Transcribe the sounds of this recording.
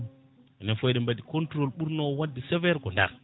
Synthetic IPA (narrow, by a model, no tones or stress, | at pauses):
nɛnfojɗɛmbadikɔntɾolɓuɾnowadːisɛvɛɾɡɔnda̰ɾ